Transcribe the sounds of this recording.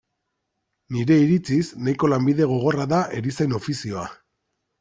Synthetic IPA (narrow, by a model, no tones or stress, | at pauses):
niɾe̞iɾit͡sisnajko̞lambiðe̞ɣ̞o̞ɣ̞o̞raðaʔe̞ɾisajno̞fisio̞a